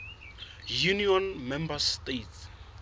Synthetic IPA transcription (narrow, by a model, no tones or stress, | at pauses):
juniɔ̃nmɛ̃mbastet